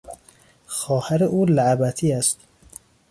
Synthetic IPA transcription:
xɒːhæɾeʔuːlaʕæbæt̪ʰiːæst̪

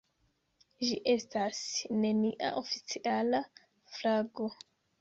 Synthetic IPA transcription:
ʒiʔe̞stasne̞niʔa̰ʔo̞fit͡siʔala | flaɡo̞

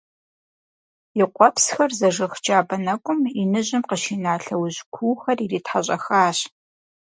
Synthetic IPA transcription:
iɪqʷɔpsxɐrzɐʐɨxt͡ʃaːbɐnɐkʷʼʊminɨʑɪmqəʃiːnaːɬɐwʑkʷʰuːxɐririːtħaɕʼɐxaːɕ

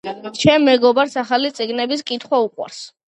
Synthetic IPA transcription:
t͡ʃʰɛmːɛɡɔbaɾsaχalit̪sʼiɡnɛbiskʼit̪ʰχwauqʼwa̰ɾs

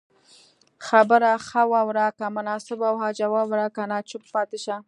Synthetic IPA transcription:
xabəɾaxawɑwɾakamʊnɑsɪbawhɑd͡ʒawɑwɾakanɑt͡ʃʊppɑt̪ɪʃa

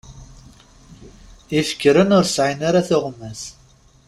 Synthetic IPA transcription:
ifə̥kːɾənʊɾsʕinaɾaθʊʁmːæs

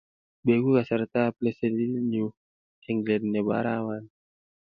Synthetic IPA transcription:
bɛɡukasart̪aplɛsɛdinu | ɛŋɡlɛdnɛba̰ɾawan

